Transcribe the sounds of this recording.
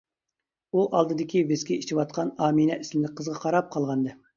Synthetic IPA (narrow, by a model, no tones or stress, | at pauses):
uʔɑlˠd̪ɨd̪ɪkʲʰivɪskʲɛit͡ʃʰiwɑt̪̚qʰɑnɑːminɛʔismɪlɪk̚ʲqʰəzʁɑqʰɑɾɑp̚qʰɑlˠʁɑnd̪ɨ